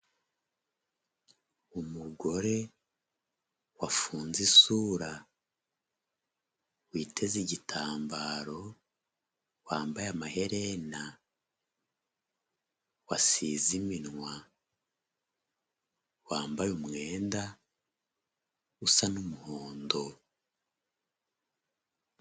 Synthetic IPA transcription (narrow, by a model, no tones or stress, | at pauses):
umuɡo̞ɾe̞ | wafuːnzisuːɾa | wiːtʰe̞ziɟitʰaːmbaːɾo̞ | waːmbajamahe̞ɾena | wasiːziminŋwa | waːmbajumŋe̞ːnda | usanumuhoːndo̞